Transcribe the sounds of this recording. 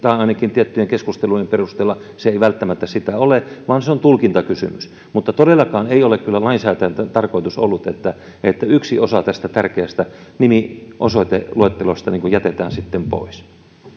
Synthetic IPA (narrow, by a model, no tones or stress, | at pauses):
t̪ɑːɑinɑkint̪iæt̪ːyjeŋkeskust̪elujemperust̪eːlːɑ | seeiʋælt̪ːæmæt̪ːæsit̪æoleʋɑːnseont̪ulkint̪ɑkysy̰mys | mut̪ːɑt̪oɾelːˑɑkɑːneiolekkylːælɑinsæːt̪æjænt̪æt̪ɑrkoit̪usolːut̪et̪ːæ | et̪ːæyksiosɑt̪æst̪æt̪ærkeæst̪ænimiʔosot̪eluet̪ːelost̪ɑniːŋkujæt̪et̪æ̰ːnsit̪ːempo̰is